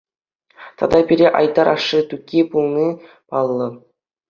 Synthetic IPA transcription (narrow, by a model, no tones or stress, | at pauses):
t̪ɑ̰d̪ɑbʲiɾʲeʔɑjd̪ɑɾʔɑ̰ʂːɯt̪ukʲːipulˠnʲi | pɑlˠːɤ̆